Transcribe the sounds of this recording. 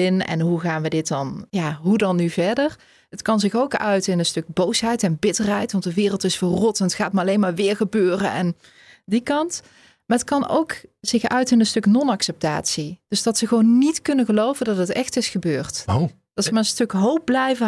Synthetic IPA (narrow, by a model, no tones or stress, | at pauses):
ɪnɛ̰nɦuɣaːnʋədɪt̚dɑnjaːɦudɑnːyvɛɹdər | ɦətkɑnzɪxowkœ̰ɥtɪnənstɵk̚bowsɦɛjtɛnbɪtərɦɛjtʋɑntdəʋɪːrəlˠtɪsfərɔtnətχaːtmaɑlejnmaːɹʋɪːɹɣəbøːrə̰nɛ̰n | dikɑnt | maːɹətkɑno̰wkz̥ɪxœ̰ɥtɪnənstɵknɔnɑksɛp̚ta̰ːtsid̥ɵsd̥ɑtsəɣəʋownːitkɵnəɣəlowvəndɑtətɛxtɪsxəbøːrto | d̥ɑtsəmaːɹənstɵkɦowp̚blɛjvə